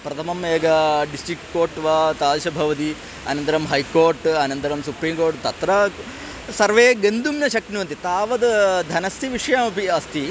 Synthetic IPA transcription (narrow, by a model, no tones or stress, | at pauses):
pɾɐt̪ʰɐmɐmeːɡɐɖisʈɾikʈkoːɾʈʋaːt̪aːlʃɐbʱɐʋɐt̪i | ɐ̰nɐnt̪ɐɾɐmɦɐjkoːɾʈɐnɐnt̪ɐɾɐmsupɾiːmkoːɾʈt̪ɐt̪ɾɐ | sɐɾʋeːɡɐnd̪umjɐʃɐk̪niʋɐnt̪it̪aːʋɐd̪d̪ʱɐnɐst̪iʋiʂɐjaːmɐpiɐst̪ʰi